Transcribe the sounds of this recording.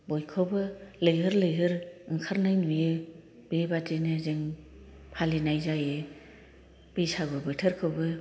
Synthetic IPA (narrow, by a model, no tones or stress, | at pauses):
bojkʰɯwbɯlɯjɦɯɾlɯjɦɯɾɯŋkʰaɾnajnujɯ | b̥ebatinɯzeŋ | pʰalinajzajɯ | b̥isabɯbɯtʰɯɾkʰɯwbɯ